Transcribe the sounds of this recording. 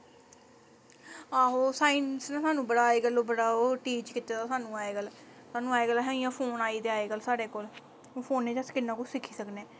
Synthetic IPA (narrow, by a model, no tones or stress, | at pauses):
aːɦoːsaːɪnsnãːsaːnũːbəɽaːeːɡəloːbəɽaːoːʈiːt͡ʃkɪt̪ːaːt̪aːsaːnũːaːeːɡəlsaːnũːaːeːɡəlaɦɛ̃ɪ̃jãːpʰoːnaːiːt̪eaːeːɡəlsaːɽeːkoːl | õːpʰoːnːeːt͡ʃəskɪnːãːkʊsɪkʰːiːsəkneː